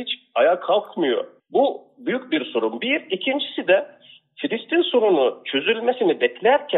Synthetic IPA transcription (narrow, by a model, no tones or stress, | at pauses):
it͡ʃ | ajakʰalˠkmɯjo̞̰ | bu | byjycbiɾso̞ɾumbiɾicʰind͡ʒisid̪ɛ | filʲist̪inso̞ɾunut͡ʃʰø̞zylʲme̞sinibɛclʲæɾcʰæ